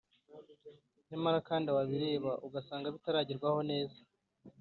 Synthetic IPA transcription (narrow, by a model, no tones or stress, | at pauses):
nemaɾakaːndiawaβiɾe̞ːβaʔuɡasaːŋɡaβitaɾaɟiɾɡwaho̞ne̞ːza